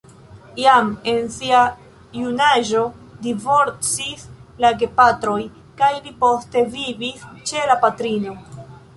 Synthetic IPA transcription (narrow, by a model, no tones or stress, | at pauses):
jame̞nsia | junaʒo̞divo̞ɾt͡sislaɡe̞patɾo̞j | kajlipo̞ste̞vivist͡ʃe̞lapatɾino̞